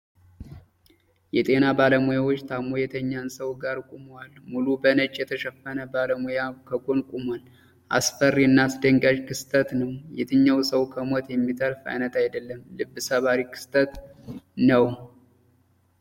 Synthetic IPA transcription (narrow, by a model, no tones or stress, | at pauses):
jɛt̪ʼe̞nabaləmujawot͡ʃːt̪ʰamojɛt̪ʰəɲːansəwɡaɾkʼumwalmulubənət͡ʃʼːjɛt̪ʰəʃɛfːənəbaləmujakʰəɡonkʼumwal | ʔasfərːiɨnːasd̪əŋɡaʒkʰɨst̪ʼʰət̪nəwjɛt̪ʰɨɲːawsəwkʰəmo̞t̪jɛmːit̪ʰəɾfa̰jnət̪ʰajd̪əlːəmlɨbːɨsəβaɾikʰɨ̥st̪ʰʼət̪nəw